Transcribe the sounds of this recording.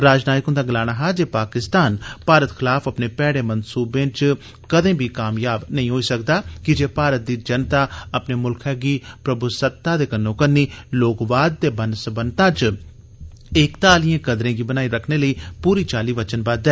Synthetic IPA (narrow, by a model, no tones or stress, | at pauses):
ɾaːd͡ʒnaːɪkɦʊnd̪aːɡəlaːɽ̃aːɦaːd͡ʒeːpaːkɪst̪aːnpaːɾət̪xʰɪlaːfəpneːpɛːɽeːmənsuːbẽːt͡ʃ | kəd̪ẽːbʱiːkaːmjaːbnəĩːɦoːiːsəkd̪aːkɪd͡ʒeːpaːɾət̪̚d̪iːd͡ʒənt̪aːəpneːmʊlkʰɦɛːɡiːpɾəbusət̪ːaːd̪eːkənːõːkənːiːloːkʋaːd̪̚t̪eːbənsəbənt̪ãːt͡ʃ | ɪkt̪aːlijãːkəd̪ɾẽːɡiːbənaːiːɾəkʰneːləiːpuːɾiːt͡ʃaːliːʋət͡ʃənbaːd̪ɛː